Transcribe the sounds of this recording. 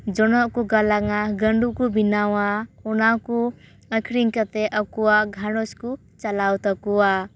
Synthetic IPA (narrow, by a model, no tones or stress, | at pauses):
d͡ʒɔnɔʔkuɡalaŋaɡəɳɖukubinawaɔnaku | əkʰɾiŋkat̪ɛʔəkuwaʔɡʱãɽɔsku | t͡ʃalawt̪akuwa